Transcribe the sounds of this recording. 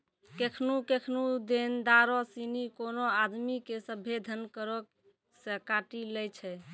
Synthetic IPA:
kekʰnukekʰnud̪end̪aɾɔsinikonoad̪mikesəbʱed̪ʱənkəɾɔk | səkaʈilɛjt͡ʃʰɛ

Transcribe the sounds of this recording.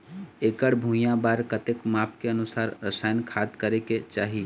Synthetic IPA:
ekəɽbʱũjãbaɾkət̪ekmap̚ʰkeənusaɾːəsajnkʰad̪kəɾeket͡ʃaːɦi

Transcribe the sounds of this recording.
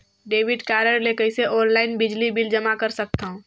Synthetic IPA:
ɖeːʋɪɖkaːɾəɾlekəɪseʔɔ̃ːnlaːɪnbɪd͡ʒlibɪld͡ʒɐmakəɾsək̚t̪aɦũ

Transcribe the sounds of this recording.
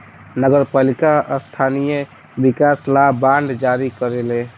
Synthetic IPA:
nəɡəɾpalikaəst̪ʰanije | bikaslabaɳɖd͡ʒaɾikəɾele

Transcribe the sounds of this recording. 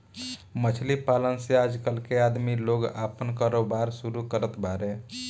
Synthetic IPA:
mət͡ʃʰlipalənsead͡ʒkəlkead̪miloːɡa̰pənkaːɾobaɾsuɾukəɾət̪bʱaɾe

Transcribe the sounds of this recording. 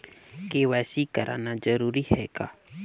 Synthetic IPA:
keʋɛːsiːkəɾʔa̰ːnad͡ʒəɾuːɾiɦɛːkaː

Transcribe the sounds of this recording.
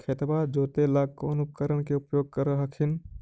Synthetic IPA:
kʰeːt̪bad͡ʒoːt̪elaːkoːnʊpkəɾəɽ̃keʊpjoːɡ̚kəɾəɦɐkʰɪn

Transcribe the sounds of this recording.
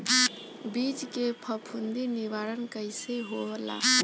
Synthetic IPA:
bid͡ʒkepʰəpʰund̪iniʋaɾənkəjseɦobəla̰

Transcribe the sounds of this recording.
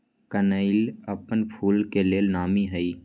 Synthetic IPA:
kənəɪləpənpʰuːlkeleːlnaːmiɦəi

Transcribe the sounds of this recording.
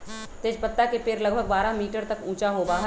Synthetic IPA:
t̪eːd͡ʒpɐt̪ːakepeːɾlɐɡbʱəɡ̚baːɾamiːʈəɾt̪ɐkũːt͡ʃaɦobaːɦ

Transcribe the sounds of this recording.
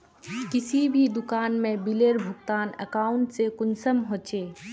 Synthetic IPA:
kɪsibʱid̪ʊkaːnmẽbileːɾbʱʊɡ̚t̪aːnə̰kaːʊɳʈsekʊnsəmɦoːt͡ʃeː

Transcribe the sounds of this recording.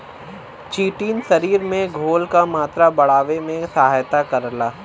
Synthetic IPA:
t͡ʃiːʈiːnsɐɾiːɾmẽɡʱoːlkamaːt̪ɾabɐɽaːʋemẽsɐɦaːjt̪akɐɾlaː

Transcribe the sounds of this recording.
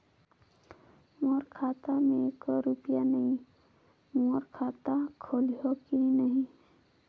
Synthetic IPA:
moɾkʰaːt̪amẽkoɾupijanəɦĩ | moɾkʰaːt̪akʰolɦokinəɦĩ

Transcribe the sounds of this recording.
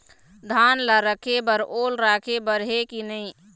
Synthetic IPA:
d̪ʱanlaɾəkʰebəɾolɾakʰebəɾɦekinəɪ

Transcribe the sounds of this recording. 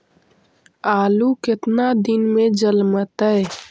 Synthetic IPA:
aːlukɪt̪nad̪ɪnmẽd͡ʒəlmət̪əɛ

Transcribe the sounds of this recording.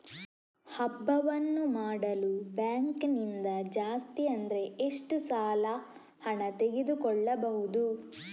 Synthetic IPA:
hɐbːɐʋɐnːumaːɽɐlubjaːŋknind̪ɐd͡ʒaːst̪iɐnd̪ɐɾe̞eʂʈusaːlɐ | hɐɳɐt̪e̞ɡed̪ukɔɭːɐbɐɦud̪u

